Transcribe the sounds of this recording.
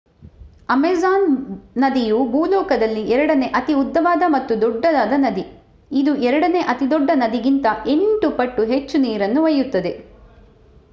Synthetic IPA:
ɐmezaːnːɐd̪ijubʱuːlɔːkɐd̪ɐlːiɛɾɐɽɐne̞ʔɐt̪iud̪ːɐʋaːd̪ɐmɐt̪ːud̪ɔɖːɐd̪aːd̪ɐnɐd̪i | id̪uʔɛɾɐɽɐne̞ʔɐt̪id̪ɔɖːɐnɐd̪iɡint̪ɐʔe̞ɳʈupɐʈːuɦet͡ʃːuniːɾɐnːuʋɐjːut̪ːɐd̪e̞

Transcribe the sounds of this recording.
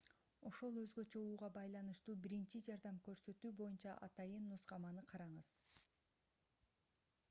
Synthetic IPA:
o̞ʃo̞lˠø̞zɡø̞t͡ʃø̞uːʁɑbɑjlˠɑnɯʃt̪uːbiɾint͡ʃid͡ʒɑɾd̪ɑmkø̞ɾsø̞t̪yːbo̞junt͡ʃɑʔɑ̰t̪ɑjɯnːusqɑmɑnɯqʰɑɾɑɴɯz̥

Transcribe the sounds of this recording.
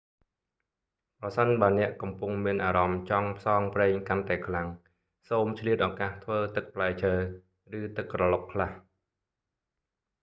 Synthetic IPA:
prɑsənɓaənɛ̆əʔkɑmpuŋmiənʔaːɾɑmt͡ɕɑŋpʰsɑːŋprɛːŋkant̪aɛkʰlaŋ | soːmt͡ɕʰliət̪̚ʔaːkaːht̪ʰʋəːt̪ɨk̚pʰlaɛt͡ɕʰəː | rɨːt̪ɨkːrɑlop̚kʰlah

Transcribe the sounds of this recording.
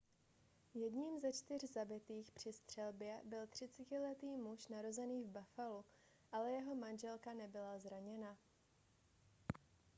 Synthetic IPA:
jɛdɲiːmzɛt͡ʃt̪ɪrzabɪt̪iːxpr̝̥ɪst̪r̝̥ɛlbjɛbɪlt̪r̝̥ɪt͡sɛcɪlɛt̪iːmuʃnaɾo̞zɛniːvbafalu | ʔalɛjɛɦo̞manʒɛlkanɛbɪlazɾaɲɛna

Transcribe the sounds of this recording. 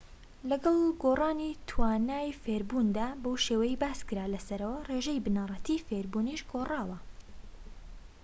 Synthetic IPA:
lɐɡɐlˠɡoːrˤɑːnit̪ʰwaːnaːjfeɾbuːnd̪aːbowʃewɐjibaːskɨɾaːlɐsɐɾɐwɐreʒɛjbɨnɑːrˤɑt̪ifeːɾbuːniʃɡoːrɑːwɐ

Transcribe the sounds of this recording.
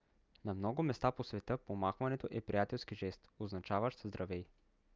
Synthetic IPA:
nɐmnɔɡʊmɛst̪aposvɛt̪ɤpomaxvɐnɛt̪oʔɛpɾijat̪ɛlˠskiʒɛst̪oznɐt͡ʃavəʃt̪zd̪ɾʔɐvɛj

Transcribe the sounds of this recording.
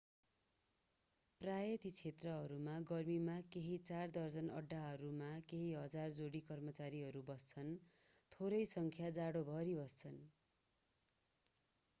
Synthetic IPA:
prajʌt̪it͡sʰet̪rʌɦʌɾumaɡʌrmimakeɦit͡sard̪ʌrd͡zʌnʌ̰ɖːaɦʌɾumakeɦiɦʌd͡zard͡zoɽikʌrmʌt͡saɾiɦʌɾubʌst͡sʰʌn | t̪ʰoɾʌjsʌŋkʰjad͡zaɽobʱʌɾibʌst͡sʰʌn

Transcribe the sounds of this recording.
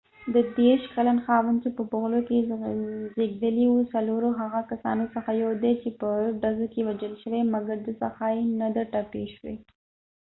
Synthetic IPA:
d̪əd̪eʃkalanxɑwənt͡ʃepəpoɣloke | zeɡd̪əliwusaloɾoɦaɣakasɑ̰nosəxajowd̪et͡ʃepəɖazokewad͡ʒəlʃəwemaɡaɾd̪əsaxaenad̪aʈapeʃwḛ

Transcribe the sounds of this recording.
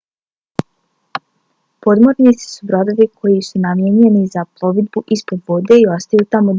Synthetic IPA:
po̞d̪moɾnit̪si̥subɾo̞d̪o̞ʋikʰo̞jisunamjeɲe̞nizaplˠo̞ʋid̪̚buʔispo̞d̪ʋod̪e̞io̞st̪ajut̪amo

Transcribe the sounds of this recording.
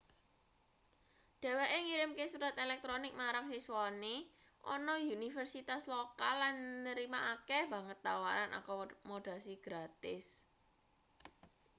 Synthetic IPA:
ɖ̥e̤weʔeŋiɾɪmkesuɾat̪elɛk̚t̪ɾonɪk̚maɾaŋsisuwane | ʔɔ̰nɔjunifərsit̪aslokalːanːəɾimaʔakɛb̥a̤ŋət̪ːawaɾanʔa̰kɔmoɖ̥a̤siɡ̥ɾat̪ɪs

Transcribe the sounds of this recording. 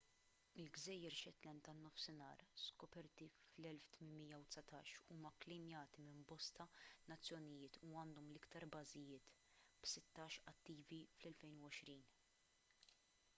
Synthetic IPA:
ɪlɡzɛjːɛɾʃɛt̪lɛnt̪ɐnːɔfsɪnɐ̰ːɾskɔpɛɾt̪iflɛlft̪mɪnmɪjːɐwt̪sɐt̪ɐ̰ːʃuːmɐklɪmjɐːt̪imɪmbɔst̪ɐnɐt͡sːjɔnɪjɪːt̪ʰuɐːnd̪ɔmlɪkt̪ɐɾbɐzɪjɪːt̪ | b̥sɪt̪ːɐːʃɐt̪ːiːviflɛlfɛjnuwɔʃɾiːn

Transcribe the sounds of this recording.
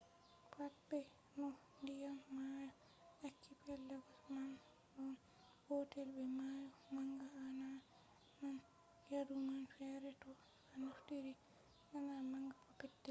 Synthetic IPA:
pʰapːɛ | nɔndijamːaja | akʰːipɛlːaɡaman | bɔn | hotɛlbɛmajɔmaŋɡaːna | man | jadumanfɛɾɛtɔ | anuftiɾi | anamaŋɡapapɛtːɛ

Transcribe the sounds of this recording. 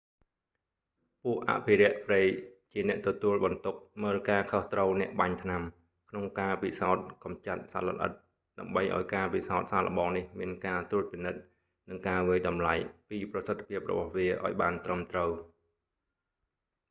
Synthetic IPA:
puəʔʔa̰ʔpʰiɾɛ̆əʔpreːjt͡ɕiənɛ̆əʔt̪ɔt̪uəlɓɑnt̪uk̚məːlkaːkʰoht̪rəwnɛ̆əʔɓaɲt̪ʰnam | kʰnoŋkaːpisaɔt̪̚kɑmt͡ɕat̪̚sa̰lə̰lʔə̰t̪̚ | ɗaəmɓəjʔa̰ɔjkaːpisaɔt̪̚saːlə̰̆ɓɑːŋnihmiənkaːt̪uət̪̚pinɨt̪̚ | nɨŋkaːʋiəjɗɑmlajpiːprɑsət̪ʰːḁpʰiəp̚rɔ̰ɓɑhʋiəʔa̰ɔjɓaːnt̪rəmt̪rəw

